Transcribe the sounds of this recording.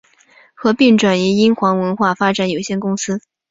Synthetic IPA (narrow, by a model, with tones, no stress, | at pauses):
xɤ˧˥pi˥˩ŋʈ͡ʂwa˨˩ni˧˥i˥nxwɑ˧˥ŋwə˧˥nxwa˥˩fa˥ʈ͡ʂa˨˧˥njo˨˩ʊɕjɛ˥˩nkʊ˥ŋsɹ̩˥